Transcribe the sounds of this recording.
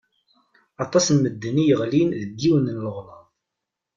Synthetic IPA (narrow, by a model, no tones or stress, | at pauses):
ɑt̪ˤɑsnməd̪ːənijəʁlinðəɡːiwənnləʁmɑðˤ